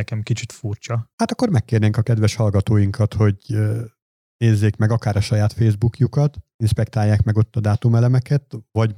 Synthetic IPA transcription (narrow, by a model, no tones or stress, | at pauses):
kɛmkit͡ʃit̪furt͡ʃɒhaːt̪ɒkːo̞rmɛkːeːrneːŋkɒkɛd̪ʋɛʃhɒlɡɒt̪oːjiŋkɒt̪ho̞ɟ | neːzːeːkmɛɡɒkaːɾɒʃɒjaːt̪feːzbukjukɒt̪ | inʃpɛk̚t̪aːjːaːkmɛɡo̞t̪ːɒd̪aːt̪umɛlɛmɛkɛt̪vɒɟ